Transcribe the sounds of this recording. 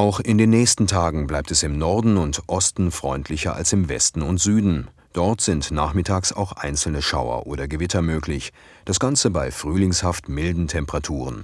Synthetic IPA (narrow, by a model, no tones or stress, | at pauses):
ʔaʊxɪndeːnːɛːçstn̩tʰaːɡŋ̩blaɪp̚tɛsɪmnɔɐdn̩ʊntʔɔstn̩fʁ̥ɔʏntʰlɪçɐʔa̰lsɪmvɛ̰stn̩ʊntz̥yːdn̩ | d̥ɔɐtz̥ɪntnaːχmɪtʰaːksa̰ʊxʔa̰ɪnt͡sl̩nəʃa̰ʊɐ̰ʔoːɾɐɡəvɪtʰɐmøːklɪç | d̥asɡ̥ant͡səbaɪfʁ̥yːlɪŋshaftmɪldn̩tʰɛmpəʁatʰuːʁ̞ən